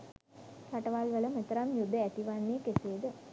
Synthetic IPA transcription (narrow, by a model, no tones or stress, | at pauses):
sɐʈɐʋaːlʋɐlɐmɐt̪ːɐɾamjud̪ʱːɐɛt̪iʋanːekeseːd̪ɨ